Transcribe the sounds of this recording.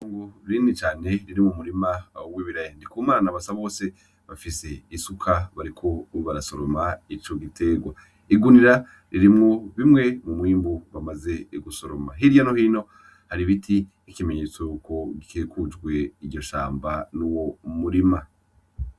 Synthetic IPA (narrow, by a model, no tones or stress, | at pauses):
oːŋɡoɾinit͡ʃaːne̞ɾiɾimumuɾimawiβiɾajandikuːmaɾanaβasaβo̞ːse̞ | βafise̞isukʰaβaɾikʰo̞βaɾaso̞ɾomait͡ʃo̞ɡitʰe̞ɡwa̰ | iɡuniɾa | ɾiɾimŋo̞βimŋe̞mumwiːmbuβamaze̞ɡuso̞ɾomaɦiɾjanohiːno̞ | haɾiβitʰi | ikime̞ɲe̞t͡sojuːko̞ɡikʰekud͡ʒɡwe̞iɟɟo̞ʃa̰ːmbanuwoumuɾima